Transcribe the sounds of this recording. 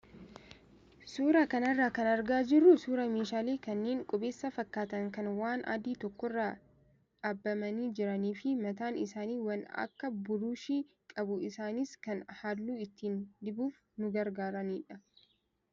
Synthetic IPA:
suːɾakɐnɐrːaːkɐnɐɾɡaːd͡ʒɪɾːʊsuːɾɐmeːʃaːleːkɐnːe̞ːŋkʼɔbe̞ːsːɐfɐkːaːt̪ɐŋkɐnwaːnʔɐ̰d̪iːt̪ɔkːɔrːaː | ᶑaːbːɐmɐniːd͡ʒɪɾɐniːfɪmɐt̪aːnɪ̰saːniːwɐnɐ̰kːɐbʊɾuːʃiː | kʼɐbʊɪsaːnɪskɐnhaːlːuːɪt̪ːiːnd̪ɪbuːf | nʊɡɐɾɡaːɾɐniːᶑɐ

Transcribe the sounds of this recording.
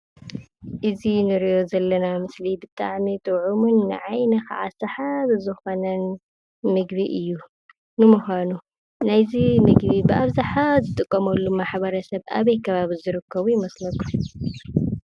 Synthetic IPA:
ʔɨzinɨɾijo̞zɐlːɐnamɨslibɨt̪ʼa̰ʕmit̪ʼɨwʕumunːɨ̰ʕajnɐka̰ʕa̰sɐħaβɨzɨxo̞nɐn | mɨɡbiʔɨjːu | nɨmuxanu | najzimɨɡbibɨʔaβzaħazɨt̪ʼɨkʼːɐmɐlːumaħbɐɾɐsɐβʔa̰βɐjkʰɐβaβizɨɾɨkʰːɐβujɪmɐslɐkʰu

